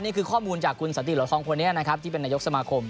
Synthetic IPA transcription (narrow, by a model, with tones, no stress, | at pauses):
nːiː˥˩kʰɯː˧kʰɔː˥˩muː˧nt͡ɕaː˨˩kʰːu˧nsa˨˦nt̪i˨˩lu˩˦kʰɔː˧ŋpʰoː˧ni˦˥˩na˦˥kʰa˦˥p̪̚ʰiː˥˩pe˧nːaː˧jo˦˥k̚sa˧maː˧kʰo˧m